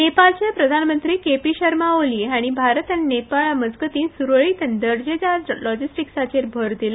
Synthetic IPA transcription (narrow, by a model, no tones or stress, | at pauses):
nepalt͡ɕepɾəd̪ʱanmənt̪ɾiːkepiɕəɾmaoliːaɽ̃ibʱaɾət̪aninepaɭməd͡zɡət̪iːnsuɾɭiːt̪ənd̪əɽd͡ʑed͡ʑad͡zlɔd͡ʑisʈiksat͡ɕeɾbʱəɾd̪ila